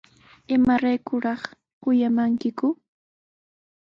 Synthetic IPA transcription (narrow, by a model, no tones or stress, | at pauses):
ɪmaɾajkʊɾɑχ | kʊjamaŋkɪkʊ